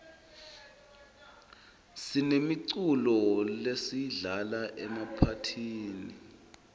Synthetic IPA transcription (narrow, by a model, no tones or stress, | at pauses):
sinemiǀulɔlesiɮalaʔɛmapʰatʰiːni